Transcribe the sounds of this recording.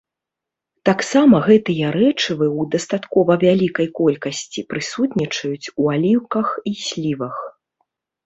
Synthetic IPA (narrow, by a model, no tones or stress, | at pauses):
t̪aksamɐɣɛt̪ɨjɐɾɛt͡ʂɨvɨwd̪ɐst̪at̪kɔvɐvʲalʲikɐjkɔlʲkɐsʲt͡sʲipɾɨsut̪nʲit͡ʂɐjut͡sʲualʲiwkɐxisʲlʲivɐx